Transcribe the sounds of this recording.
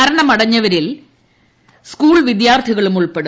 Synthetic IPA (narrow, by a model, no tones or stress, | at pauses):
ɐɾɐɳɐmɐɽɐɲːɐʋɐɾil | skuːɭʋid̪jaːrt̪ʰiɣɐɭumuɭpeɽu